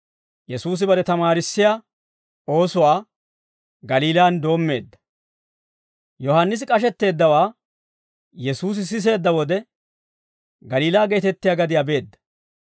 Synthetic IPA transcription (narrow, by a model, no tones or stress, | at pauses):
jɛsuːs̬ɪbɐɾɛt̪ɐmaːɾɪsːɪjaː | o̞ːsʊwaː | ɡɐliːlaːnd̪o̞ːmːe̞̰ːd̪ːɐ̥ | jɔhanːɪs̬ɪkʼɐʃ̬ɛt̪ːe̞ːd̪ːɐwaː | jɛsuːs̬ɪs̬ɪs̬e̞ːd̪ːɐwɔd̪ɛ | ɡɐliːlaːɡeːt̪ɛt̪ːɪjaːɡɐd̪ɪjabe̞ːd̪ːɐ̥